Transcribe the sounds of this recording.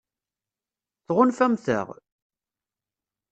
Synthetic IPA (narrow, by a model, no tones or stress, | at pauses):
θʁʊnfæmθə̰ʁ